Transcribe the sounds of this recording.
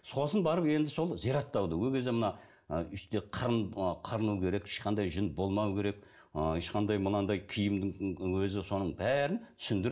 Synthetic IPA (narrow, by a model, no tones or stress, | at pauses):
so̞sənbɑɾəpe̞nd̪ɪso̞lˠzijɾɑt̪ːɑwd̪əwɵlɡʲe̞zd̪emənɑ | əʏst̪eqʰəɾənqʰəɾənukʲʰe̞ɾe̞kɪ̥ʃqɑnd̪ɑjʒənbo̞lˠmɑwkʲʰe̞ɾe̞k̚ | eʃqɑnd̪ɑjmənɑnd̪ɑjkʲʰijɪmd̪ɪŋwɵzɪso̞nəɴbæɾɪntt̪ʰʏ̥sɪnd̪ɪɾ